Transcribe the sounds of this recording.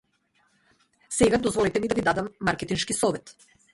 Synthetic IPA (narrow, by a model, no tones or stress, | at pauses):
sɛɡad̪ɔzvɔlɛt̪ɛmid̪avid̪ad̪amːaɾkɛt̪inʃkisɔvɛt̪